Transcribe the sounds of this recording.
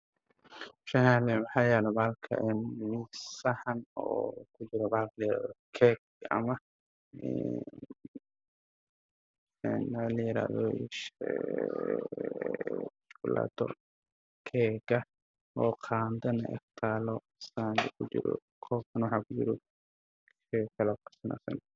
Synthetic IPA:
ʃɐhalɛnwɑħɑːjɛːlɛbaːlkʰɐ̰ʔɛnmɪsɐhɐnɔːkʰʊt͡ʃɪɾɔbaːlqʰlɐjɪɾa̰ːðɔkʰɛːɡ | ɐ̰mɐ | ɛ̰ | ɛnalɐjɪɾa̰ːðɔ̰ | ʃkʊla̰ːt̪ʰɔ̰ | kʰɛːɡɐ | ɔːqʰaːnd̪ɐnɐ̰ʔɛ̰xt̪ʰaːlɔ | sand̪ɛkʰʊt͡ʃɪ̰ɾɔ̰ | kʰɔːb̚kʰɐnwɑħaːkʰʊt͡ʃɪɾɔ | ɛkʰɐlɐb̚kʰɐ̥sɐna̰ːsɐ̰n

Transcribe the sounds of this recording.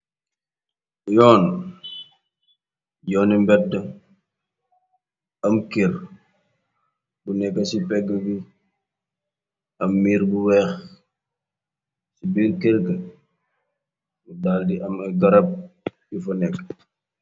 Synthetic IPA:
jɔːn | jɔːnimbɛdːə | ɐmkeɾ | bunɛkːɐsipɛɡːəɡi | ɐmːiːɾbuwɛːx | sibiɾkeɾɡə | budaːldiʔɐmɐɡɐɾɐp̚ | ifɔnɛkː

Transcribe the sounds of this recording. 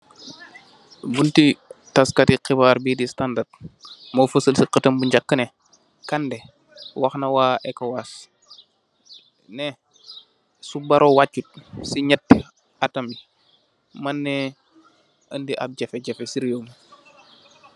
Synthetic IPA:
buntitaskatiqibaːɾbidistandatmofəsəlsiqətɐmbuɲd͡ʒakːəne | kandɛ | waxnɐwaːʔekowas | nɛ | subɐɾʔowat͡ʃːut̚siɲɐtː | atɐmi | manːɛ | əndiʔa̰b̚ɟɛfɛɟɛfɛsiɾijoːm

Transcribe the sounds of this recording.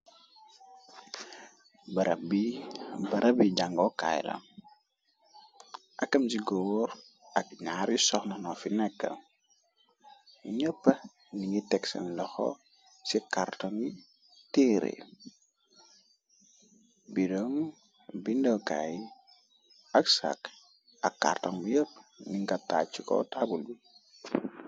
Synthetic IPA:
bɐɾɐbibɐɾʔɐbiɟaŋɡɔka̰jlɐ̰m | ʔɐkːɐmsiɡɔwɾ | ʔɐkɲaɾjisɔxnɐnɔfinɛkːə̰ | ɲəpːə | niŋɡitɛksɐ̰nlɔxɔ̰ | sikartɔŋi | tiɾḛ | bidɔŋ | bindoka̰ji | aksa̰k | akːa̰rtɔŋbijəpːniŋɡatːat͡ʃːikɔ̰tabulbi

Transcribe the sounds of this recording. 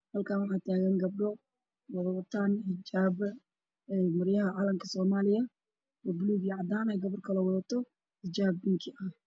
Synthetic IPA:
hɐlkʰaːnwɑħɑːt̪ʰaːɣɐŋɡɐb̚ɖɔ | wɑðɐɐt̪ʰaːnħɪd͡ʒaːb | mɐrjɐɦɐʕɑːlɐmkʰɐsɔːmaːlɪjɐ | wɐbʊluɣjʕɑd̪aːnɛjɡɐβɐrkʰɐlɛwɑðɐt̪ʰɔ | hɪd͡ʒaːb̚ːɪŋkʰɪʔɐh

